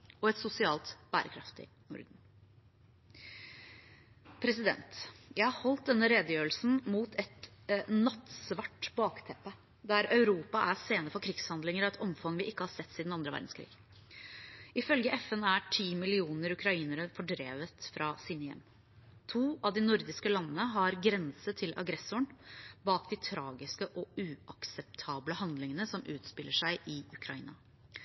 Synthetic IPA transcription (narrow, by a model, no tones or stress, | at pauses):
ɔɛt̪sʊsɪɑːlt̪b̥æ̰ːɾʔə̰kʰɾɑft̪ɪ̰ | nʊ̰ɾd̪n̩ | pʰɾɛsɪd̪ɛ̰nt̪jæɪhɑɾhɔlt̪̚d̪ɛnːəɾeːd̪əjøːəl̩sn̩muːt̪ʰɛt̪nɑt̪sʋɑʈbɑːkt̪ʰɛpːə | d̪æɾɑʉɾuːpɑʔæseːnəɾfɔɾkʰɾɪɡshɑnd̪lɪŋəɾɔɛt̪ɔmfɑŋʋɪʔɪkːəhɑsɛt̪ːsiːd̪nɑnd̪ɾəʋæ̰ɾɖ̪n̩skʰɾḭːɡ | ɪfœlɡəʔɛfɛnæʈʰiːmɪlɪuːnəɾʉkʰɾɑiːnəɾəfɔɖɾeːʋət̪fɾɑsiːnəjɛ̰m | t̪ʰuːʔɑʋd̪ɪnʊɾd̪ɪskəlɑnːənəɦɑɾɡɾɛnsət̪ʰɪlʔɑ̰ɡɾɛsʊɳbɑːkd̪ɪt̪ʰɾɑːɡɪskəʔɔʉːɑksɛp̚t̪ʰɑːbləhɑnd̪lɪŋənəsɔmʔʉːt̪spɪlːəʂæɪʔɪʉkʰɾɑḭːnɑ